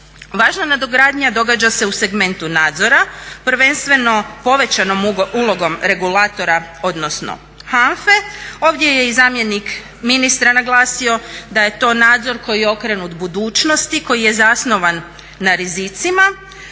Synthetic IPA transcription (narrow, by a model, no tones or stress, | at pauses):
ʋaːʒnanad̪o̞ɡɾaːd̪ɲad̪o̞ɡad͡ʑase̞use̞ɡme̞nt̪unaːd̪zo̞ɾapɾ̩ʋe̞nst̪ʋe̞no̞po̞ʋe̞t͡ɕano̞mulˠo̞ɡo̞mɾe̞ɡulaːt̪o̞ɾao̞d̪no̞sno̰ | xanfe̞o̞ʋd̪je̞je̞izaːmje̞nik | minist̪ɾanaɡlˠaːsio̞d̪aje̞t̪o̞ːnaːd̪zo̞ɾko̞jijeo̞kɾenut̪bud̪uːt͡ʃno̞st̪iko̞jije̞zasno̞ʋanː | aɾizit̪sima